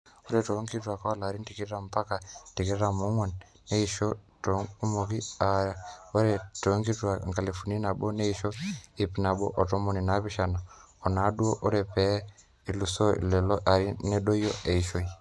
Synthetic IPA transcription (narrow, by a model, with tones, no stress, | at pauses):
o˦ɾe˨to˨˦ŋki˦twa˨ka˦wa˦la˨ɾi˦nti˨ki˦ɾa˨mpa˦ka˨ti˨ki˦ɾa˨mu˦ŋwo˨nː | e˦i˨ʃo˦to˨ku˦mo˨ki˦a˨ɾa˨o˦ɾe˨to˨˦ŋki˦twa˨ŋɡa˨li˨fu˨ni˦na˨bo˦ne˦i˨ʃo˦i˨pna˨bo̰˦ʔɔ˨to˦mo˦˨ni˨na˨˦pi˦ʃa˨na˨ | ɔ˨na˨˦du˦o˦ʔo˦ɾe˨pɛ˨˦ | i˨lu˨so̰˦˨llɔ˦ʔa˨ɾi˦ne˦ɗo˦jo˦e˨i˨ʃo˦i˨